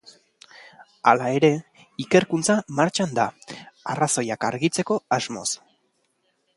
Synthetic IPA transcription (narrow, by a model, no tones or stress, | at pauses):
a̰lae̞ɾe̞ | ike̞ɾkunt͡samaɾt͡ʃand̪aaraso̞jakaɾɣit͡se̞ko̞azmo̞̰s